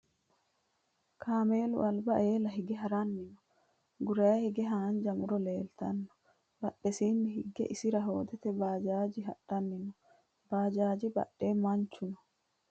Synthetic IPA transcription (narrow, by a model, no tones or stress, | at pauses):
kʰaːmeːlṵʔalbaʔeːlaɦiɡɛɦaɾanːinɔ | ɡuɾajahiɡɛɦand͡ʒamuɾɔleːlt̪anːɔ̥ | baɗːɛsiːnihiɡːɛ̰ʔisiɾaɦoːd̪ɛt̪ɛbaːd͡ʒaːd͡ʒiɦaɗanːinɔ | b̥aːd͡ʒaːd͡ʒiba̰ɗːɛmaɲt͡ʃːunɔ